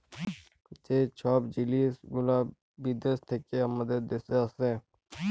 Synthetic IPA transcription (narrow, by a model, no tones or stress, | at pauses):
t͡ʃet͡ʃʰɔːpd͡ʒiliːsɡʊlaː | biːd̪est̪ʰekːeɐməd̪ed̪eseɐsẽː